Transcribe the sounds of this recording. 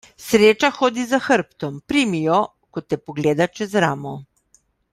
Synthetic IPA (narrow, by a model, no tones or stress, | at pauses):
sɾeːt͡ʃaxoːd̪izaxəɾpt̪ɔmpɾiːmijɔ | kɔt̪ːɛpɔɡleːd̪at͡ʃɛzɾaːmɔ